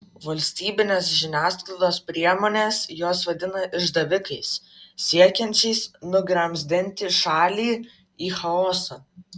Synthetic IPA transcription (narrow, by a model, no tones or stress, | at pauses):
ʋɐlʲsʲt̪ʲiːbʲɪnʲeːsʒʲɪnʲæːsklˠɐd̪oːspʲɾʲiɛmoːnʲeːsjoːsʋɐd̪ʲɪnɐʔɪʒd̪ɐʋʲɪkɐɪssʲiɛkʲɛnʲt͡ʃʲɛɪsnʊɡɾɐmʲzʲd̪ʲɪnʲt̪ʲɪʃɑːlʲiː | iːxɐoːsɐ